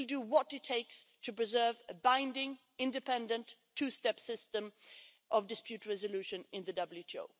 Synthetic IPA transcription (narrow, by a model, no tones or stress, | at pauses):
lˠdəwʌtɨtʰːeɪkstʰɨpɹ̥ɨzɜ˞vɨbãɪ̃ndɪ̃ŋ | ɪ̃ndɨpʰɛ̃ndɨ̃ntʰʉstɛpsɪstə̃m | ʔʌvdɨspjʉt̚ɹɛzəlʉʃɨ̃nɪ̃nðɨdʌbl̩jʉtʰio̰ʊ